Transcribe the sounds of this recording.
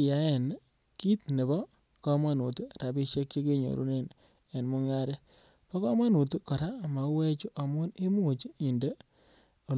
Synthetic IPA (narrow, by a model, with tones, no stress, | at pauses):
ja˨˦e˨n | ki˦tne˨bɔ˦ | kɔ˦ma˦nu˨tu˦ɾa˨bi˦ʃe˦kt͡ʃe˦ke˦ɲo̰˨ɾṵ˦ne˨n | e˨nmu˦ŋa˦ɾe˦ | pɔ˦kɔ˦ma˦nu˨tu˦kɔ˨ɾa˦˨ma˨we˦t͡ʃu˦ʔa˨mʊ˦ne˦mu˨t͡ʃi˨nde˦ | o˨